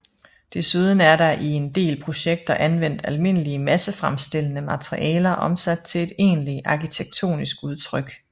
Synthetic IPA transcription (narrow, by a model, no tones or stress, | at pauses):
d̥e̝suð̞ˠən̩æɐɾɑ̈ʔie̝nd̥e̝̰ːlpʰʁo̝ɕeɡ̥̚d̥ɐʔænʋen̰d̥ælme̝nəliəmæsəfʁamsd̥e̝l̰ənəmɑt͡sʰʁiʔɛ̰ːlɐʔɒ̽msæd̥̚t͡sʰe̝le̝d̥e̝̰ːnliʔɑ̈kʰit͡sʰeɡ̥̚t͡sʰo̝̰ːnisɡ̥uð̞ˠt͡sʰʁœɡ̥